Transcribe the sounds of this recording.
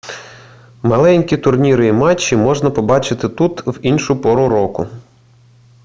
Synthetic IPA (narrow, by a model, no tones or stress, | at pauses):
mɐlˠɛnʲkʲit̪ʊrnʲiɾɪimɑt͡ʃːimɔʒnɐpɔbɑt͡ʃɪt̪ɪt̪ut̪winʃʊpɔɾʊɾɔkʊ